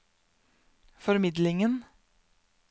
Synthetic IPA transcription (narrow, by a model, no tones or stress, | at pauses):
fɔɾmɪd̪lɪŋən